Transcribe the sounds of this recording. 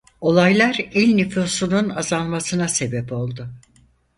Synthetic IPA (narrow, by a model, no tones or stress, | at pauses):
o̞lˠajlˠaɾilʲnyfosununazalˠmasɯnase̞bɛpo̞lˠd̪ʊ